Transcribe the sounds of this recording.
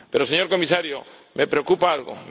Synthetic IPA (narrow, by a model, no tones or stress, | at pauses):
peɾoseɲoɾkomisaɾjo | mepɾeokupaalɣo̰m